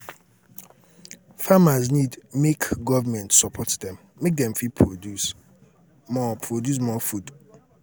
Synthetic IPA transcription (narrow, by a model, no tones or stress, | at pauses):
famaznidmekɡɔvamɛ̃ntsɔpʰɔtdɛ̃mːek̚dɛ̃mfipʰɹodus | mɔpʰɹodjus̬mɔfud